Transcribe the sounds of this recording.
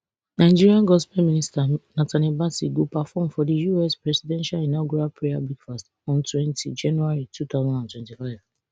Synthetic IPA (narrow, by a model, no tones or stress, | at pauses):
nãɪd͡ʒiɹiãɡɔspɛmĩnistanatʰanibasiɡopafɔmfɔdijuɛspɹɛsidɛ̃nʃalinaɡuɹapɹeabluɡfast | ɔ̃ntwɛ̃ntʰid͡ʒãnuaɹitʰut̪aʊzãndãntwɛ̃ntifaɪv